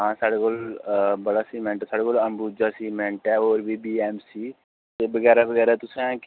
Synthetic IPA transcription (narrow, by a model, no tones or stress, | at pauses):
ɦãːsaɽekolbəɽasiːmɛ̃ːɳʈɛsaɽekoːləmbuːd͡ʒasiːmɛ̃ɳʈɛoːɾbʱiːbiːɛːmsiː | t̪eːbəɡɛːɾabəɡɛːɾaɛt̪ʊsẽːk